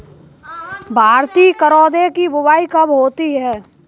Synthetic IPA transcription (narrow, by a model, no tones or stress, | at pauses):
bʱaːɾt̪ikəɾɔːd̪ekibʊbaːikɐbɦoːt̪iɦɛː